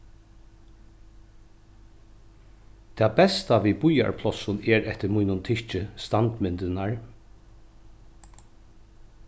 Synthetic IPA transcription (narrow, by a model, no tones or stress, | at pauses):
t̪ʰɛːbɛst̪aʋibʊja̰ɹpʰlɔsʊnɛɹɛht̪ɪɾmujnʊnt̪ʰɪt͡ʃɪst̪ant̪mɪnt̪ɪnaɹ